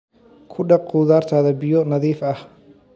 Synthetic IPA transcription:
kʰʊɖɐquːðaːrt̪ʰaːðɐbɪjɔnɐðiːfɐh

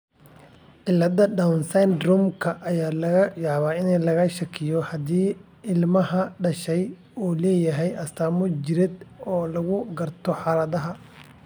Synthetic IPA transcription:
ʕɪlːɐd̪ɐɖawnsɛnd̪rʊmkʰɐʔɐjaːlɐɣɐjɑʕβaːɪnɛjlɐɣɐʃɐkʰɪjɔhɐd̪iː | ɪlmɐhɐɖɐʃɛj | uːlɛːjɐɦɛjɐst̪ʰaːmʊd͡ʒɪɾɪd̪ɔːlɐɣʊɡɐrt̪ʰɔħɑɾɐðɐɦɐ

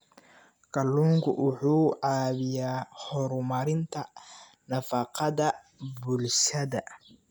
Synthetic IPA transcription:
kʰɐlːuːŋkʰʊ̰ʔʊħuːʕɑːβɪjaːhɔɾmɐɾɪnt̪ʰɐ | nɐfɐqɑðɐ | bulʃɐðɐ

